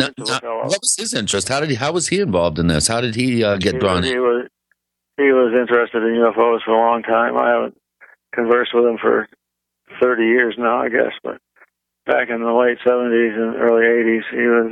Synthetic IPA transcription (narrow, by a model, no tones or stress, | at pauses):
naʊaʊɛlˠwʌt̚wʌz̥ɪzɪ̃nt͡ʃɹ̥ɨst̚haʊɾɨdɦaʊwʌz̥iɨ̃ɱvɑlˠvdɨ̃nðɪ̰shaʊɾɨd̚iʌɡɛt̚ddɹɔ̃nwʌz | hiwʌzɪ̃nt͡ʃɹ̥ɨstɨɾɨ̃njʉɛfoʊz̥fə˞əlɔ̃ŋtʰãɪ̃ma̰ɪhævə̰̃n̩ | kʰɨ̃ɱvɜ˞st̚wəð̥ə̃ɱfə̰˞ | θɜ˞ɾijɪɹznaʊa̰ɪɡɛ̰sb̥ʌ̰t̚ | b̥æ̰kɨ̃nðəleɪtsɛvə̃ntizɨ̃nḭʔɜ̰˞lˠieɪɾiz̥iwʌz